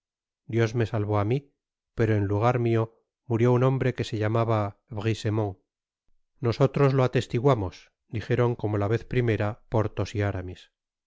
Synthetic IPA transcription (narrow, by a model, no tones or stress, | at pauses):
d̪jo̞zme̞salβo̞ami | pe̞ɾo̞e̞nluɣ̞aɾmio̞ | muɾjo̞unõ̞mbɾe̞ke̞se̞ʎamaβaβɣise̞moŋ | no̞so̞t̪ɾo̞zloat̪e̞st̪iɣwamo̞s | d̪ixe̞ɾo̞ŋko̞mo̞laβe̞θpɾime̞ɾapo̞ɾt̪o̞siaɾamis